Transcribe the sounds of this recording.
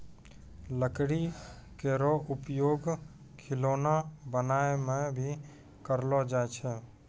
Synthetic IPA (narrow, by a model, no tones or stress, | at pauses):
ləkɽikeɾɔupjoɡ | kʰɪloːnabənaemẽbʱi | kəɾlɔd͡ʒaet͡ʃʰɛ